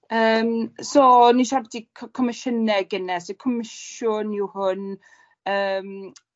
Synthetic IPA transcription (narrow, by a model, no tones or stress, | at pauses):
əːmsoːniʃavɛdikʰkʰɔmɪʃənɛɡənɛsekʰɔmɪʃʊniwhʊn | əːm